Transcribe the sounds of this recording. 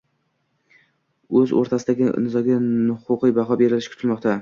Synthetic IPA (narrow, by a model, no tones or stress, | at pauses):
ɵzo̰ɾt̪ʰasɪd̪aɡʲɪnɪzɒɡʲanʊqʊqɨjbaɦɒbeɾɪlɪʃkʰʊ̥t̪ʰɪlmɒqt̪ʰa